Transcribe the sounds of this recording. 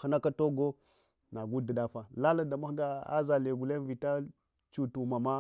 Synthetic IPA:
a˦na˦ka˦to˦ɡo˦ | na˨ɡu˦da˨da˦fa˨la˦la˨da˨ma˦xɡa˦a̰˦za˨le˨ɡu˨le˦vi˨ta˦ | t͡ʃu˨tu˨ma˨ma˦

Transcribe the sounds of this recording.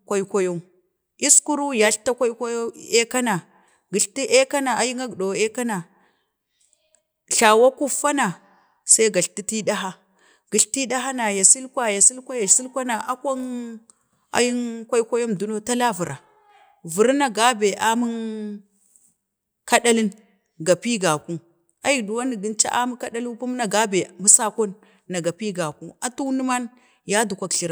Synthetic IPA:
kʷa˦i˦kʷa˦jo˦m | i˦sku˦ɾu˦ja˨˦ɬta˦kʷa˦i˦kʷa˦jo˦e˦ka˦na˨ | ɡi˨ɬti˦ʔe˦ka˦na˨a˨ji˦ŋa˦ɡɗo˨e˦ka˦na˨ | ɬa˨wa˦ku˦fa˦na˨ | sa˦i˦ɡa˨ɬti˦ti˦ɗa˦ɦa˦ | ɡ̥i˨ɬti˦ɗa˦ɦa˦na˨ja˨si˦lkʷa˦ja˨si˦lkʷa˦ja˨si˦lkʷa˦na˨ʔa˦kʷa˦n | a̰˦ji˦nkʷa˦i˦kʷa˦jo˦mdu˦no˦ta˦la˦vu˨ɾa˨ | vu˨ɾna˨ɡa˦be˨ʔa˦mu˦n | ka˦ɗa˦li˦n | ɡa˨pi˦ɡa˨ku˦ | a˨˦ji˨du˨wa˦ni˨ɡi˦nt͡ʃa̰˦ʔa˦mu˦ka˦ɗa˦lu˦pu˦m˦na˨ɡa˦be˨mu˦sa˦ko˦nː | a˨ɡa˨pi˦ɡa˨ku˦a˨tu˦ni˦ma˦n | ja˦du˨kʷa˦kɬi˨ɾa˦˨

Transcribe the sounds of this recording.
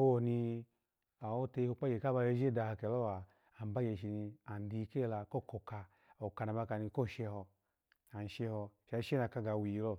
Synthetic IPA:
o˧ni˧ | a˨wo˦te˧i˧ho˧k͡pa˦je˨ka˦ba˧je˧˦d͡ʒe˦˨da˧ha˧ke˨lo˦wa˨ | a˨m˦ba˦je˧˨ʃi˧ni˧a˨n˨˦di˨˧˦ke˦˨la˧ko˦˨ko˨ka˧ | o˨ka˧na˨ba˧ka˧ni˧ko˦˨ʃe˧hɔ˧ | a˨n˨ʃe˧hɔ˧ʃa˧˦ʃe˦na˧˨ka˧ɡa˨wi˨i˨˧lo˦˨

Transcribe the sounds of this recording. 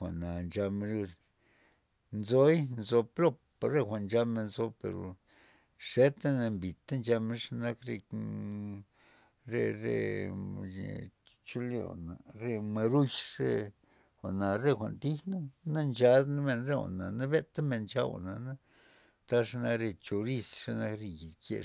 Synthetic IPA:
xʷa̰˨ʔna˨nd͡ʒa˧ma˧ɾju˧s | nzo˦jnzo˧plo˦p | a˨ɾe˦˧xʷa˨nd͡ʒa˧me˧nzo˧pḛ˨ɾo̰˨ | ʂe˦t̪a˦na˧mbi˨t̪a˦nd͡ʒa˧me˧˦ʂa˧na˦kɾe˧ | ɾe˧ɾḛ˧˨ | t͡ʃu˦lḛ˦˨na̰˨ɾe˧ma˧ɾu˦t͡ʃɾe˦ | xʷa̰˨na˨ɾe˦˧xʷa̰˨nt̪i˦xna˦na˦nd͡ʒa˧˦d̪na˦me˧nɾe˦a̰˨na˨na˦be˦t̪a˦me˧˨nt͡ʃa˧wa̰˨na˨na˦ | t̪a˦ʂa˦na˧kɾe˧t͡ʃo˧ɾi˧sʂa˧na˦kɾe˧ji˨kḛ˧˨

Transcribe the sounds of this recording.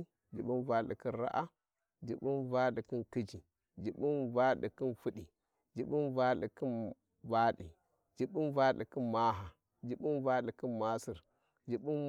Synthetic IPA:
d͡ʒi˨ɓu˦nva˨˦ɗḭ˨ki˦nɾa̰˦ʔa˦ | d͡ʒi˨ɓu˦nva˦ɗi˨ki˦nki˦d͡ʒi˨ | d͡ʒi˨ɓi˦nva˦ɗi˨ki˦nfi˦ɗi˨ | d͡ʒi˨ɓi˦nva˦ɗḭ˨ki˦n | va˦ɗi˨ | d͡ʒi˨ɓi˦nva˦ɗi˨ki˦nma˦ɦa˨ | d͡ʒi˨ɓi˦nva˦ɗi˨ki˦nma˦si˨ɾ | d͡ʒi˨ɓu˦n

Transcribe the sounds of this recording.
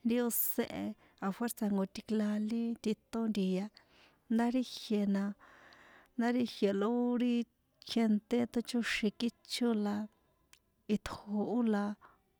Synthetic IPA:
nd̪i˦o˧sḛ̃˦˧ʔe˧ | a˧fwe˦ɾsa˧ŋɡo˧t̪i˧kla˧li˦t̪i˧t̪o˦nd̪i˧ja˧ | nd̪a˦ɾi˦hje˨nã˧ | nd̪a˦ɾi˦hje˨lo˧u˦ɾi˦ | kʰe˧nt̪e˦t̪o˧t͡ʃu˦ʃĩ˧ki˦t͡ʃu˦la˧ | i˧t̪ʰho˧u˦la˧

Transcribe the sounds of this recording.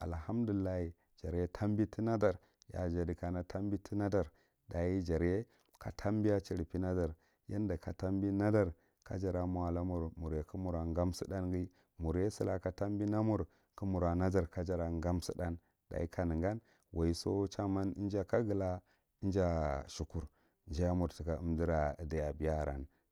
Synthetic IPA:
a̰˨lha˦mdu˨li˨lːa˦hi˨ | d͡ʒa˨ɾje˦tʰa˦mbi˦ti˦na˦da˨ɾ | ja̰˨d͡ʒa˨di˨ka˨na˦tʰa˦mbi˦tʰi˦na˦da˨ɾ | da˨ji˦d͡ʒa˨ɾe˦ | ka̰˨tʰa˦m˦bi˦ja˦t͡ʃi˨ɾpi˦na˦da˨ɾ | ja˦nda˨ka˨ta˦mbi˦na˦da˨ɾ | ka̰˦d͡ʒa˨ɾa˨m˨a˨la˦mu˨ɾmu˨ɾje˨ku˦mu˨ɾa˨ŋɡa˦msi˦da˦nɡi˦ | mu˨ɾje˦si˦la˨ka˨ta˦mbi˦na˦mu˦ɾ | ku˦mu˨ɾa˨na˦d͡ʒa˨ɾka˦d͡ʒa˨ɾa˨ŋɡa˦msi˦da˦n | da̰˨i˦ka˨nə˨ŋɡa˦n | wʔa˨i˦so̰˦t͡ʃa˦ma˦ni˦nd͡ʒa˦ka˦ɡə˨la˦ | i˦nd͡ʒa˦ʃu˨ku˨ɾ | nd͡ʒa˦ja˦mu˨ɾti˨ka˨ə̰˨mdi˦ɾa˨da˨ja˨bi˨ja˦˨ɾa̰˨n

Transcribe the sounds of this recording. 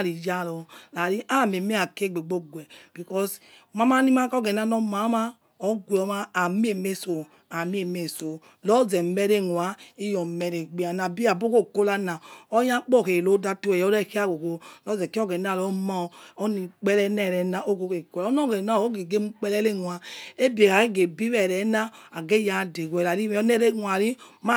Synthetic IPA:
ɾi˨d͡ʒa˦˨lɔ˨la˨ɾi˦ʔa˦˨me˨me˦a˨ke˦˨ɡ͡be˨ɡ͡bo˦ɡwɛ˨b̥i˨kɔ˦s | ma˦ma˦ni˦ma˦kɔ˦ɡɛ˨na˦nɔ˦ma˨˦ma˦ | ɔ˨˦ɡʷɔ˨˦maː˦˨mi˦e˦˨me˦so˨ | a˨mi˦e˨me˨so˨ | lɔ˦zɛ˨mɛ˦ɾe˦˨ŋwa˨˦i˦jɔ˨mɛ˨ɾe˨ɡ͡bi˨˦a˨na˨bi˦a˨bo˦ko˦˨ko˦la˦na˨ɔ˦ja˦k͡pɔ˦˨ke˨lo˨˦da˦tu˦ɛ˨jɔ˦ɾɛ˦˨ka˦˨ɡo˨ko˨lɔ˦zɛ˨ki˦ɔ˦ɡe˨n˦a˦˨lɔ˨˦ma˦˨ɔ˦ni˨k͡pɛ˦lɛ˦nɛ˦˨ɾɛ˨na˨ʔo˦ɡo˦ke˨ko˨lɔ˦nɔ˦˨ɡe˨na˦˨o˦ɡi˨ɡe˦m̩˦k͡pɛ˦lɛ˦le˦ŋʷ˨a˨e˦bi˨e˨ka˨ke˦ɡe˨bi˦ɛ˨ɾɛ˨˦na˦a˨ɡe˦ja˨˦˨de˨ɡɛ˨ɾa˨ɾi˦nɛ˦ɾe˦ŋwa˨ɾi˦ma˦

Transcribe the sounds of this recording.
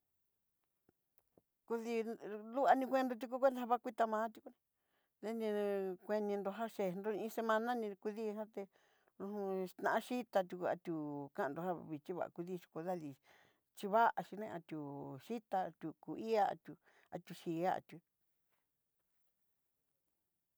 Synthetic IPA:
ku˧ði˧lu˦a˧nĩ˧kʷẽ˦nd̪o˧t̪̬ʲi˧k̬u˦kʷe˦d̪a˧a˧βa˦˧kʷi˦t̪a˧mãː˧˦t̪ʲi˧ku˧nẽ˧ | ðe˦nĩ˧kʷe˧nĩ˧nd̪o˧ɦa˦ʃe˧nd̪o˧ĩ˧se˧mã˧nã˦nĩ˧ku˧ði˦˧ɦã˦t̪e˧ | u˧ũ˧t̪nã˧˨ã˦ʃi˦t̪a˧t̪ʲu˧ku˧a̰˧t̪ʲu˨kã˦ʔnd̪o˧ɦa˦˧βi˨t͡ʃi˦βa̰˨ʔa̰˨ku˧ðiː˧t͡ʃi̥˧ku˧ða˦˧li˧ | t͡ʃi˧βa˦ʔa˧ʃi˧nḛ̃˧ʔa̰˧t̪ʲu˨ʃi˦t̪a˧t̪ʲu˧ku˨i˦a˦a̰˧t̪ʲu˧ | a̰˧t̪ʲu˧ʃiː˨a˦a̰˨t̪ʲu˧

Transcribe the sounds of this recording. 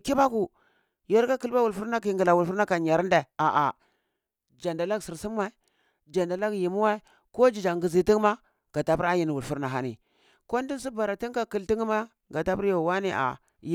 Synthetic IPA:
ki˦ba˦ku˨ | jo˦ɾka˦ki˦lba˦wu˨lfu˦ɾna˦ki˨ŋɡi˨la˨wu˨lfu˦ɾna˦ka˨ɲa˨ɾnda˨a˨ʔa̰˨ | d͡ʒa˨nda˨la˦ɡsi˨ɾsi˦mːa˨i˨ | d͡ʒa˨nda˨la˦ɡji˨mu˦wa˦i˦ | ko˦d͡ʒi˨d͡ʒa˨ŋɡi˨zi˨ti˦ŋ˦ma˦ | ɡ̥a˨ta˦pi˦ɾa˦ji˨n˨wu˨lfu˦ɾna˨ɦa˦nḭ˨ | ko˦n˦di˦n˦si˦ba˨ɾa˨ti˦ŋka˦ki˨lti˦ŋ˦ma˦ | ɡa˨ta˦pu˦ɾjo˨wa˦ni˨ʔa̰˨ | j

